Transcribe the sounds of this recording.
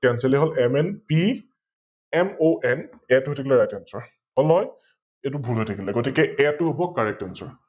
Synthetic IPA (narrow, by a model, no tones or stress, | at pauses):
kɛnsɛliɦɔlɛmɛnpi | ɛmoʔɛn | ɛtʊɦotʰik̬ʰilɛɹajtɛnsɔɹ | ɔlɔj | etʊbʱulɦotʰekʰilɛɡotikɛɛtʊɦobɔkːaɹɛk̚tɛnsɔɹ